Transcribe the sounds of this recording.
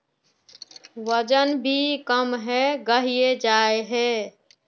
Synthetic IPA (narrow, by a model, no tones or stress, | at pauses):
ʋəd͡ʒənbʱikəmɦɛɡəɦijed͡ʒaːeɦɛː